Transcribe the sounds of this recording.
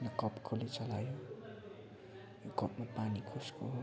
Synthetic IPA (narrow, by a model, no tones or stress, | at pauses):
nʌkʌpkʰolit͡sʌlajo | jokʌpmapanikʰoskoɦ